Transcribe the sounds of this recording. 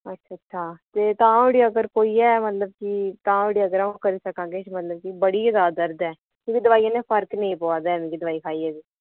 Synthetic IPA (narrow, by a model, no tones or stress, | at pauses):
ətːʃʰaːtːʃʰaːt̪eːt̪ãːoːɽiːəɡəɾkoːiːɛːmət̪ləb̚d͡ʒiːt̪ãːoːɽiːəɡəɾaũkəɾiːsəkãːɡeːt͡ʃmət̪ləb̚kiːbəɽiːɪd̪aːd̪əɾd̪ɛː | kjõːkid̪əʋaːiːãːneːpʰəɾknẽĩːpoaːd̪ɛːmẽkiːd̪əʋaːiːkʰaːiːɛːd̪iː